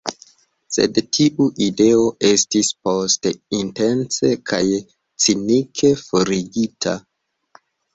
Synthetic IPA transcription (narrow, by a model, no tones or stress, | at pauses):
se̞̰dtʰiʔuʔide̞o̞ʔe̞stispo̞steinte̞nt͡se̞kʰaj | t͡sinikʰe̞fo̞ɾiɡitʰa̰